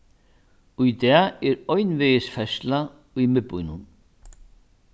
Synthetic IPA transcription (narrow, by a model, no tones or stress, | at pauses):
ujt̪ɛːɛɾɔɥnveːjɪsfɛsla | ujmɪpːujnʊn